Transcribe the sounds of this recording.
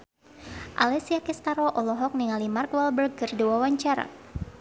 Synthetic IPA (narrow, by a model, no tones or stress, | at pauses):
ʔa̰lɛsiakɛst̪aɾɔʔɔlɔɦɔk̚niŋalimarkwɛlbərɡərduwawaɲt͡ʃaɾa̰